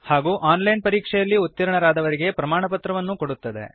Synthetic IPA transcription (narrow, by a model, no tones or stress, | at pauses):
haːɡuːʔaːnlɐjnpɐɾiːkʂɛjɐlːiut̪ːɐɾɐɳɐɾaːd̪ɐʋɐɾiɡe̞pɾɐmaːɳɐpɐt̪ɾɐʋɐnːuko̞ɽut̪ːɐd̪e̞̰